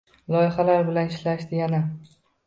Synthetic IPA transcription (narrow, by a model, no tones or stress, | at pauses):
lˠɒjɪhalaɾbɪlanɪʃlaʃd̪ɪɡʲana